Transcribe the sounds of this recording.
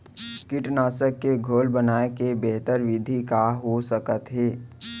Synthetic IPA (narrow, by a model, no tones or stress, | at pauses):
kɪʈnaːsəkːeɡʱoːlbənaːekebɛɦt̪əɾʋɪd̪ʱikaɦosəkət̪ɦeː